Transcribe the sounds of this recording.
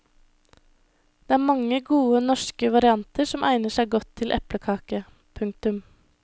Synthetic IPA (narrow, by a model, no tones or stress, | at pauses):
d̪̥eːæːɾmɑŋːəɡuːənɔʃkəʋɑɾɪɑnt̪ʰəʂɔmʔæ̰ɪnəʂæɪɡɔt̪ʰːɪlʔɛ̰pləkʰɑːkə | pʰʉŋk̚t̪ʉm